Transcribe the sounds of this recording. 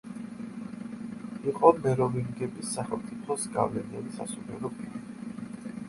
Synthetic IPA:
iqʼɔmɛɾɔviŋɡɛbisːaχɛlˠt̪sʼipʰɔsɡa̰vlɛnianisa̰sumɛɾɔpʼiɾii

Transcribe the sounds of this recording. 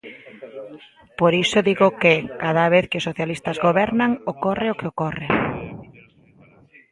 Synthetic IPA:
poɾisʊðiɣʊkɪkaðaβ̞eθkɪʊsoθjalist̪azɣoβɛɾnaŋokorɪokɪokorḛ

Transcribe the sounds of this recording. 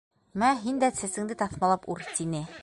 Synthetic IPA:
mæɦind̪æsɘ̆sɘ̆ŋd̪ɘt̪ɑθmɑlˠɑpuɾt̪inɘ

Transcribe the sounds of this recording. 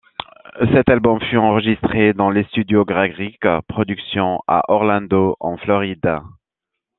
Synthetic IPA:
sɛt̪albɔmfyɑ̃ʁəʒist̪χed̪ɑ̃lest̪yd̪joɡʁaɡʁikpχɔd̪yksjɔ̃a̰ʔɔʁlɑ̃d̪oʔɑ̃flɔʁid̪a

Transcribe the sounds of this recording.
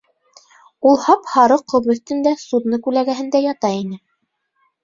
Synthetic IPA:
ulˠhɑphɑɾɤqʰːŏlˠbɵ̆θt̪ɘ̆nd̪æsud̪nɤkʉlæɡæɦɘ̆nd̪æjɑt̪ɑinɘ

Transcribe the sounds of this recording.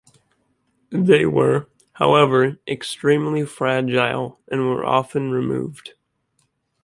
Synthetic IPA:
ðeɪwə˞ | haʊɛvə˞ʔɨkstɹ̥ĩmlifɹæd͡ʒaɪlˠʔɨ̃nwə̰˞ʔɑ̰fɨ̃nɹɨmṵvd̥

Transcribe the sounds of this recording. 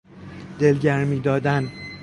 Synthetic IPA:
d̪̥e̞lɟæɾmiːd̪ɒːd̪æn

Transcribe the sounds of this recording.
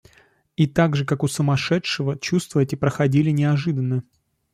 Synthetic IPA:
it̪aɡʐɨkakʊsəmɐʂɛtʂɨvət͡ɕust̪vəɛtʲɪpɾəxɐdʲilʲɪnʲɪɐʐɨd̪ənːə

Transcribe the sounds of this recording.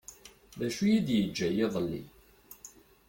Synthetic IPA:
ðæʃujid̪jəd͡ʒːæjeðˤəlːḭ

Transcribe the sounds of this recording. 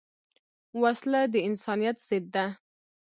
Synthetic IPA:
waslad̪əɪnsɑnijat̪z̥ɪd̪ːa

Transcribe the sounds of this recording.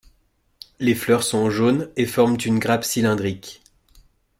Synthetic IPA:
leflœʁsɔ̃ʒonefɔʁmt̪ynɡʁapsilɛ̃d̪ʁik

